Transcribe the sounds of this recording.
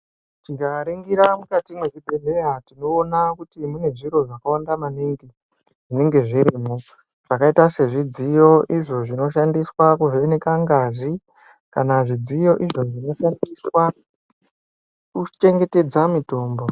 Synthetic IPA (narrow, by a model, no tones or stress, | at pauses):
t͡ʃikaɾiŋɡiɾamukatimwe̞ʐibʱeɮe̞jatino̞ːnakutimune̞ʐiɾo̞ʐakawandamaniŋɡi | ʐ̥ine̞ŋɡe̞ʐiɾiːmo | ʐ̥akaitase̞ʐid͡zijo̞ʔiʐo̞ʐino̞ʃandiswakuʐene̞kaŋɡaʐi | kanaʐid͡zijo̞ʔiʐo̞ʐino̞ʃandiswa | kut͡ʃe̞ŋɡe̞te̞d͡zamito̞ːmbo̞